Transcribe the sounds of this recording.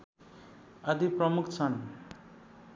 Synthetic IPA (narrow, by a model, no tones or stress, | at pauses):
ad̪ipɾʌmukʰt͡sʰʌñi